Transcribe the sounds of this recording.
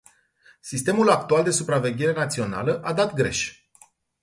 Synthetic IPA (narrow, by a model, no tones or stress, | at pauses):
sist̪e̞mulak̚t̪uald̪e̞supɾave̞ɡʲe̞ɾe̞nat̪sio̞na̰ləʔad̪at̪ɡɾe̞̰ʃ